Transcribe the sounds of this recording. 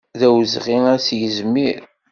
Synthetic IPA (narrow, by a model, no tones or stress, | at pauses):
ðæwəzʁiŋæsjəzmiɾ